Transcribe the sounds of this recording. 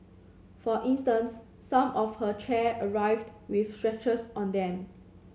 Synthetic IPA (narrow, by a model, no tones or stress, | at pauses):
fɔʔĩnstə̃nsː | ãmɔfhət͡ʃʰɛəɹaɪvdwifstɹɛt͡ʃəsɔ̃ndɛ̃m